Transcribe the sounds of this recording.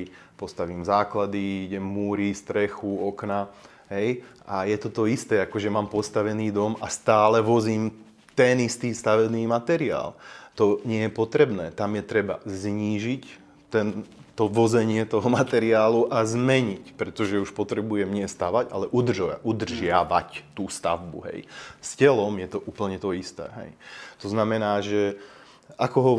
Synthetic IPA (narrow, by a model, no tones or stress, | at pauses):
pɔst̪aʋiːmzaːklad̪iiɟɛmːuːɾist̪ɾɛxuɔkna | ɦɛj | ajɛt̪ɔt̪ɔist̪ɛːakɔʒɛmaːmpɔst̪aʋɛniːd̪ɔmast̪aːlɛʋɔziːm | t̪ɛnist̪iːst̪aʋɛbniːmat̪ɛɾɪa̰ːlt̪ɔɲɪɛjɛpɔt̪ɾɛbnɛːt̪amjɛt̪ɾɛba̰zɲiːʒic | t̪ɛnt̪ɔʋɔd͡zɛɲɪɛt̪ɔɦɔmat̪ɛɾɪaːluʔazmɛɲicpɾɛt̪ɔʒɛuʃpɔt̪ɾɛbujɛmɲɪɛst̪aʋaɟa̰lɛʔud̪rʒa̰ʔud̪r̩ʒɪaʋact̪uːst̪a̰vbṵɦɛ̰jscɛlɔmjɛt̪ɔʔuːpl̩ɲɛt̪ɔist̪ɛ̰ːɦɛ̰jt̪ɔznamɛnaːʒɛ | akɔɦɔ